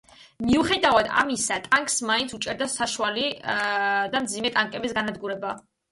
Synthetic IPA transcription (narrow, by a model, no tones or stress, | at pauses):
miuχɛd̪avad̪a̰misat̪ʼaŋkʼsmaint̪sʰut͡ʃʼɛɾd̪asaʃuali | d̪amd̪zimɛt̪ʼaŋkʼɛbisɡanad̪ɡuɾɛba